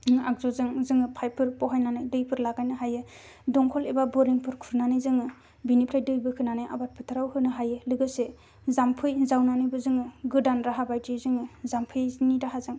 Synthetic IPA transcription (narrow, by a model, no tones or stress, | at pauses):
ak̚zɔzɯŋzɯŋɯpʰajpʰɯɾpɔɦajnanɯjdɯjpʰɯɾlaɡajnɯɦajɯ | dɔŋkʰɔlebabɔɾiŋpʰɯɾkʰuɾnanɯjzɯŋɯ | binipʰɾajdɯjbɯkʰɯnanajʔa̰bat̚pʰɯtʰaɾawhɯnɯɦajɯlɯɡɯse | zampʰɯjzawnanɯjbɯzɯŋɯɡɯdanɾaɦabajtizɯŋɯzampʰɯjniɾaɦazɯŋ